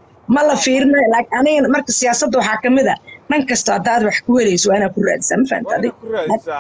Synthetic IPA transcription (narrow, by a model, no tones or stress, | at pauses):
mɐlɐfiːɾɪnɐjlaːɐnɪɣɐmɐrkʰɐsɪjaːsɐd̪ːʊwɑħɑːkʰɐmɪðɐnɪŋkʰɐst̪ʰɔhɐd̪aːd̪wɑħkʰʊhɛlɛjsɔwaːɪnaːd̪̚kʰʊra̰ːðɪsaːmɐfa̰ha̰nt̪ʰɐɐðɪɡla